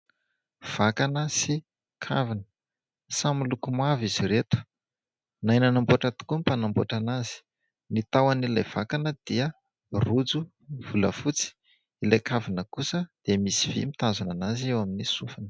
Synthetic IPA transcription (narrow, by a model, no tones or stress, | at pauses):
v̥akanəsi | kʰavinə̥ | samilukumaviziɾet̪u̥ | najnanamboʈ͡ʂat̪i̥kumpanambo̰ʈ͡ʂanazi̥ | nit̪awanilajv̥akanəd̪̥iə | rud͡zu | v̥ulə̰fut͡si̥ | ilajkavinəkusəd̪̥emisiv̥ḭmit̪azunanaziewaminisufanə̥